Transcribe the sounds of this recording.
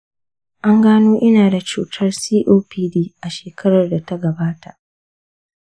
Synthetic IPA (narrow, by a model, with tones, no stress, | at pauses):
ʔa˦ŋɡaː˦noː˦ʔɪ˦naː˨da˨t͡ʃuː˦tʰɐ˦rsiː˦ʔoː˦piː˦diː˦ʔa˨ʃeː˨kɐ˦ɽɐ˨rda˨ta˦ɡɐ˨baː˦ta˨ʔ